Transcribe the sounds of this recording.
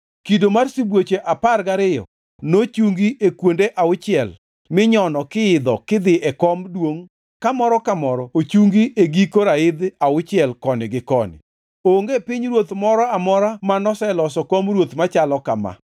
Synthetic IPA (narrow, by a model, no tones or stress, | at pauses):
kidomarsibwot͡ʃeʔaparɡaɾɪjɔ̰ | not͡ʃuŋɡiʔekwondeʔaʊt͡ʃɪɛl | mɪɲɔnɔkɪɪd̪ɔkɪd̪ɪʔɛkɔmdwoŋ | kamɔɾɔkamɔɾɔot͡ʃuŋɡiʔeɡikoɾaɪd̪aʊt͡ʃɪɛlkɔnɪɡɪkɔnɪ̰ | oŋɡepɪɲɾwot̪mɔɾɔamɔɾamanɔsɛlɔsɔkɔmrwot̪mat͡ʃalɔkama̰